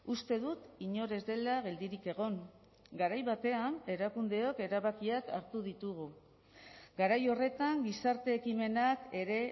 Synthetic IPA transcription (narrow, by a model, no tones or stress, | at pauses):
ust̪e̞ðut̪iɲo̞ɾe̞zd̪e̞laɣ̞e̞ld̪iɾike̞ɣ̞o̞ŋ | ɡaɾajβat̪e̞ane̞ɾakund̪e̞o̞ke̞ɾaβakiaka̰ɾt̪uðit̪uɣ̞u | ɡaɾajo̞re̞t̪aŋɡisaɾt̪e̞ːkime̞nake̞ɾe̞